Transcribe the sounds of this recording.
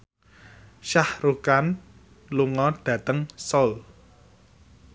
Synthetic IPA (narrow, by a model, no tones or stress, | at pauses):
ʃahrukan | luŋɔɖ̥ä̤t̪əŋsɔl